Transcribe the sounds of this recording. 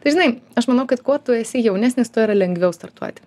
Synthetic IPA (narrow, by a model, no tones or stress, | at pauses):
t̪ɐɪʒʲɪnɐɪɐʃmɐnɐʊkɐt̪kuɔt̪ʊɛsʲɪjɛʊnʲæːsʲnʲɪst̪uɔiːɾɐlʲɛŋɡʋʲɛʊst̪ɐɾt̪ṵɔt̪ʲɪ̥